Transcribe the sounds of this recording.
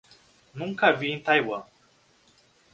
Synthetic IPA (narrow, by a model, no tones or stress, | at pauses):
nũŋkaviːnt̪ajwa